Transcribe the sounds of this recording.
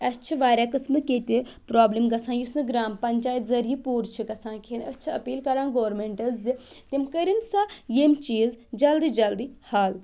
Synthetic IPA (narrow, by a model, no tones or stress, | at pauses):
ɐst͡ʃʰiʋaːɾʲaːkɐsmɨkeːt̪ʲipɾaːblimɡɐsʰãːjusnɨɡɾaːmpɐɲʲt͡ʃaːjt̪zɐɾijipuːɾt͡ʃʰiɡɐsʰãːkʰeːnɐt͡ʃʰiɐ̰piːlkɐɾãːnɡoːɾmeɳʈɐzzi | t̪ʲemkəɾinsajemt͡ʃiːzd͡ʒɐld̪id͡ʒɐld̪ihaːl